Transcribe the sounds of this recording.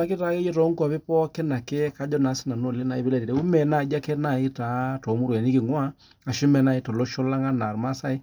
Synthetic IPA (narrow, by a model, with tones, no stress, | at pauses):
a˦ke˦ta˦ke˦je˦tɔ˨˦ŋkwa˨pɪ˦pɔ˦kɛ˦na˨ke˦ka˦d͡ʒɔ˦na˨˦sɪ˦na˨no˦˨le˦na˨i˦be˦lɛ˦˨ti˨ɾe˦u˦mɛ˨na˨d͡ʒa˦kɛ˦na˨ɪ˦ta˨˦tɔ˨˦mu˦ɾwɛ˨nɪ˦kɪ˨ŋwa˦ | a˨ʃʊ˦mɛ˨na˦i˨˦to˨lo˦ʃɔ˦la˦ŋa˦na˨ɾma˦sa˦ɪ˦